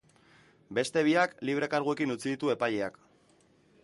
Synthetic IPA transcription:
be̞st̪e̞β̞iakliβ̞ɾe̞kaɾɣ̞ue̞kinut͡siðit̪ue̞paʎe̞ak

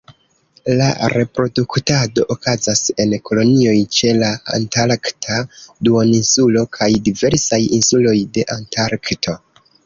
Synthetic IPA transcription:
la̰ɾe̞pɾo̞duktado̞ʔokazase̞nko̞lo̞nio̞jt͡ʃe̞laa̰ntaɾktʰaduoninsulo̞kʰajdive̞ɾsajinsulo̞jde̞ʔantaɾktʰo̞

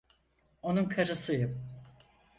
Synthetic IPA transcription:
o̞nunkʰaɾɯsɯjɯm

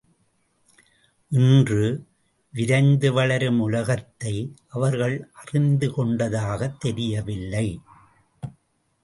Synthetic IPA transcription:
ʔɪndrɯ | ʋɪɾɐɪnd̪ɯʋɐɭɐɾɯmʊlɐɣɐt̪ːɐɪʔɐʋɐɾɣɐɭʔɐrɪnd̪ɯkɔɳɖɐðaːɣɐt̪ːɛɾɪjɐʋɪlːɐɪ

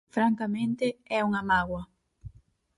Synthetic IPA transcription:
fɾaŋkamẽnt̪ɪɛuŋɐmaɣwɐ

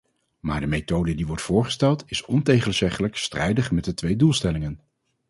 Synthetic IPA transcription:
ma̰ːɹdəmetowdədiʋɔɹtfʊːɹχə̥stɛlˠtɪsɔntejχənz̥ɛχələkstrɛjdəχmɛt̚dətʋejdulˠstɛlɪŋən

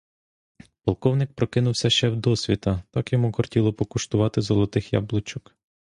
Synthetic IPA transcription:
pɐlˠkɔwnɪk̚pɾɔkɪnʊwsʲɐʃt͡ʃɛwd̪ɔsʲʋʲit̪ɐt̪ɑkjɔmukɔrtʲilˠɔpɔkʊʃt̪ʊʋɑt̪ɪzɔlˠɔt̪ɪxjɑ̰blˠʊt͡ʃʊk

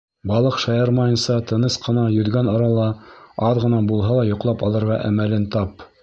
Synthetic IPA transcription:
bɑlˠɤqʃɑjɑɾmɑjɤ̆nsɑt̪ɤ̆nɤsqɤ̆nɑjɵ̆ðɡænoɾɑlˠɑɑðʁɤ̆nɑbulˠɦɑlˠɑjŏqlˠɑpɑlˠɤ̆ɾʁɑʔæ̰mælɘnt̪ɑp

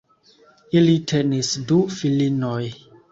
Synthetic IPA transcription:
ilitʰenisdufilinoj

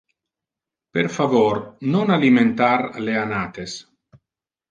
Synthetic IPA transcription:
peɾfavoɾnonaliment̪aɾleanat̪es

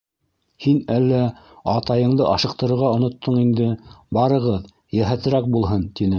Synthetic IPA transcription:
hinælːæ | ɑt̪ɑjɤ̆ɴd̪ɤʔɑʃɤ̆q̚t̪ɤ̆ɾɤ̆ɾʁɑŏnŏt̪ʰːɤɴind̪ɘbɑɾɤ̆ʁɤð | jæɦæt̪ɘ̆ɾæk̚bulˠɦɤnt̪inɘ

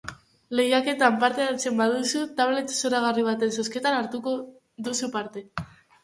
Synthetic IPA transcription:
le̞jake̞t̪ampaɾt̪eaɾt͡se̞mbaðusut̪aβ̞le̞t̪soɾaɣ̞ariβ̞at̪e̞ns̬o̞ske̞t̪anaɾt̪uko | ðusupaɾt̪e̞

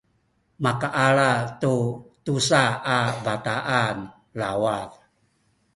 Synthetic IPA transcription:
makaʔaɭatutusaabataʔan | lawað

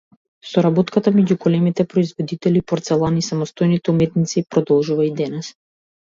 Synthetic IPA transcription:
sɔɾabot̪kat̪amɛɟuɡɔlɛmit̪ɛpɾɔizvɔd̪it̪ɛlipɔɾt̪sɛlˠanisamɔst̪ojnit̪ɛumɛt̪nit̪sipɾɔd̪ɔlˠʒuvaid̪ɛnɛs

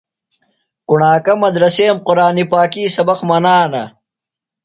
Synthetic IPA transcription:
kuɳaːkɐmɐd̪ɾɐseːmqʊɾaːnipaːkiːsɐbɐqmɐnaːnɐ

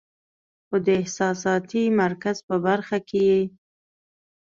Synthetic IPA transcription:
xod̪əɪhsɑsɑt̪imaɾkazpəbaɾxakeje

